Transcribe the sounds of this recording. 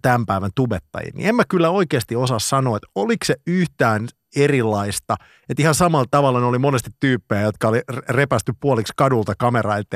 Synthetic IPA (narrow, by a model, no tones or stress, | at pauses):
t̪æmpæiʋænt̪ubet̪ːɑ̰jḭnnḭemːækylːæoikeːst̪iosɑssɑnoːet̪olikseyht̪æːn | erilːɑist̪ɑ | et̪ihɑnsɑmɑlt̪ɑʋɑlːɑneolimonest̪it̪tyːpːejæjot̪kɑolirepæst̪yppuolikskɑdult̪ɑkɑmerɑilt̪ː